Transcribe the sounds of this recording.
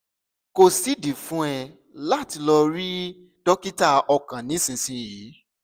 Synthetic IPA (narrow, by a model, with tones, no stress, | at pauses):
ko˧si˨˦di˨fũ˦ɛ˧ | la˦˨ti˧lɔ˧ɾi˦ | d̥ɔ˦ki˦ta˧ɔ˧kã˨nĩ˨˦sĩ˧sĩ˧jiː˨˦